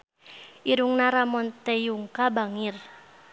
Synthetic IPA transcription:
ʔiɾuŋnaɾamɔnt̪ejuŋkabaŋir

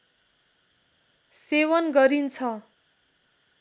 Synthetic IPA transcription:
sewʌnɡʌɾint͡sʰʌ

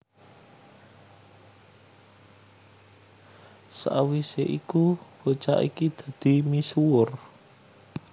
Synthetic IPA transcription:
sa̰ʔwiseʔikubot͡ʃa̰ʔḭkid̪̥a̤d̪̥i̤misuʊr

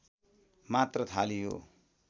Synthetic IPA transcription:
mat̪rʌt̪ʰalijo̰

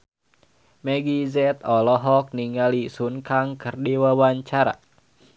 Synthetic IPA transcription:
mɛɡizɛt̪ɔlɔɦɔk̚niŋalisunkaŋkɨrdiwawaɲt͡ʃaɾa̰

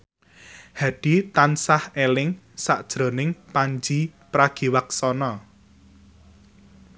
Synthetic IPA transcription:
haɖ̥i̤t̪ansahelɪŋ | saʔd̥ʒ̥ɾo̤nɪŋpaɲd͡ʒipɾaɡ̥i̤waksɔnɔ

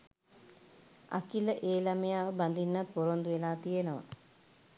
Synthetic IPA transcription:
a̰kiləʔeːlaməjaːʋəband̪inːat̪̚poɾond̪uʋelaːt̪ijenəʋa̰

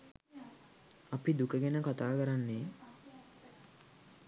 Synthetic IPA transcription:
apid̪ukəɡenəkat̪aːkəɾanːeː

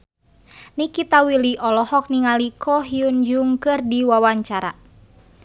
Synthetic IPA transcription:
nikit̪awiliʔɔlɔhɔk̚niŋalikʰɔɦiund͡ʒuŋkɨrdiwawaɲt͡ʃaɾa̰

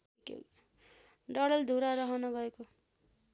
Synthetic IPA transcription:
ikḛ | ɖʌɽʌld̪ʱuɾaɾʌɦʌnʌɡʌeko

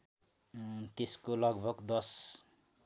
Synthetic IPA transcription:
t̪eskolʌɡbʱʌɡd̪ʌs

